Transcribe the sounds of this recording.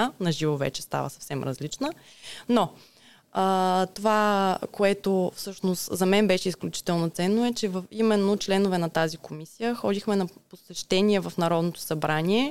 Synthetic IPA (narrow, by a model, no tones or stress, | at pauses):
anɐʒivovɛ̰t͡ʃɛ̥st̪a̰və̰sɐ̥fsɛmɾɐ̰zlit͡ʃnənɔ | ət̪ovakoɛt̪ofsɤʃnost̪zɐmɛnbɛʃɛisklʲut͡ʃi̥t̪ɛlˠnot̪sɛnːoɛt͡ʃɛvəfimɛnːot͡ʃlɛnovɛnɐt̪azikomisijəxɔd̪ixmɛnɐposɛʃt̪ɛniɛvɐfn̪ɐɾɔd̪not̪o̥sɐbɾanʲiɛ